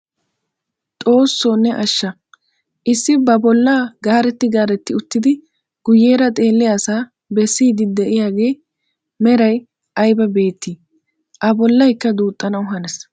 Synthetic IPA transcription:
t̪ʼo̞ːsːonːɛʔɐʃːɐ | ʔɪsːɪbɐbɔlːaːɡaːɾɛt̪ːɪɡaːɾɛt̪ːɪʊt̪ːɪd̪ɪ | ɡ̥ʊjːeːɾɐt̪ʼe̞ːlːɪjaːsaː | bɛsːiːd̪ɪd̪ɛʔɪjaːɡe̞ː | mɛɾɐj | ʔɐjbɐbe̞ːt̪ːi | ʔɐbɔlːɐjkːɐd̪uːt̪ʼːɐnɐwʊɦɐnɛs

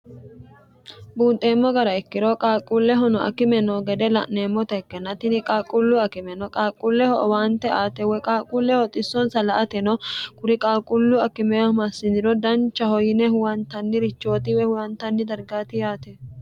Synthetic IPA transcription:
buːnt̪ʼe̞ːmːɔɡɐɾɐɛkːɪɾɔkʼaːkʼːʊlːɛɦɔnɔʔɐ̰kɪmɛnɔɡɛd̪ɛlɐ̰ʔneːmːɔt̪ɐɛkːɛnːɐt̪ɪnɪkʼaːkʼʊlːʊɐkɪmɛnɔkʼaːkʼːʊlːɛhɔʔɔwaːnt̪ːɛaːt̪ɛwɔkʼaːkʼʊlːɛhɔt̪ʼɪsːɔnsɐlɐʔɐt̪ɛnɔkʼʊɾɪkʼaːkʼːʊlːʊɐkɪmɛwɐmɐsːɪd̪ɪɾɔd̪ɐnt͡ʃːɐhɔjɪnɛhʊwɐnt̪ɐnːɪɾɪt͡ʃːo̞ːt̪ɪwɛhʊwɐnt̪ɐnːɪd̪ɐɾɡaːt̪ɪjaːt̪ɛ

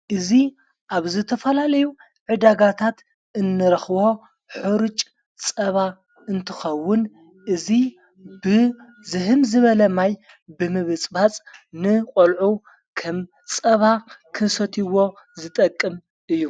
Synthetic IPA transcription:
ʔɨzi | ʔaβzɨt̪ʰɐfɐlalɐju | ʕɨd̪aɡat̪ʰat̪ | ʔɨnːɨɾɐxβo̞ | ħuɾɨt͡ʃʼ | t͡sʼɐβa | ɨnt̪ʰɨxɐwːʊn | ʔɨzi | bɨ | zɨɦɨmzɨβɐlɐmaj | bɨmɨβɨt͡sʼbat͡sʼnɨqʼolʕu | kʰɐm | t͡sʼɐβakʰɨnsɐt̪ʰiwo̞ | zɨt̪ʼɐkʼːɨm | ʔɨjːu

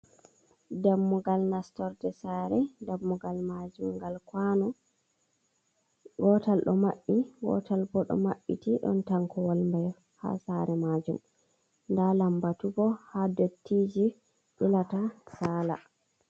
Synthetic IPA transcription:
damːuɡalnastɔɾdɛsaɾɛdamːuɡalmad͡ʒumɡalkwanɔ | ɡɔtalɗɔmaɓːiɡɔ̰talbɔɗɔ̰maɓːḭtiɗɔ̰ntaŋkɔwalmbɛj | ha̰saɾɛmaːd͡ʒum | ndalambatuɡɔhadotʰːiːd͡ʒi | ʔilatasaːla̰

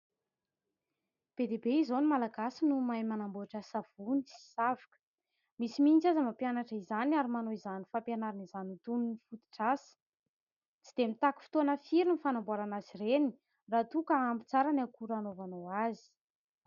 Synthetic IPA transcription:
b̥ed̪ebeizonimalaɡasinumajmanambuaʈ͡ʂasav̥unisi̥savakə̥ | misimint͡sazəmapjanaʈ͡ʂəizaniaɾimanoizanifampjanaɾinizanut̪ununifut̪i̥ʈ͡ʂasə̥ | t͡sid̪̥emit̪aku̥fi̥t̪onəfiɾinifanambuaɾanazireni̥ | rat̪ukəambi̥t͡saɾanakuɾanovanoazi̥

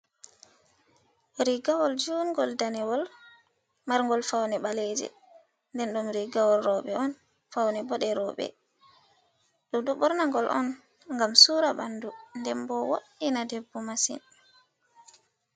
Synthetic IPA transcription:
ɾiɡawɔld͡ʒunɡɔldanɛwɔl | maɾŋɡɔlfawnɛɓalɛd͡ʒɛ̰ | ndɛnɗumɾiɡawɔlɾɔɓɛɔn | fawnɛbɔɗɛɾɔːɓɛ̰ | ɗɔɗɔɓɔɾnaŋɡɔlʔɔ̰n | ŋɡamsuːɾabandundɛmbɔwoɗːinadɛbːɔmasḭn

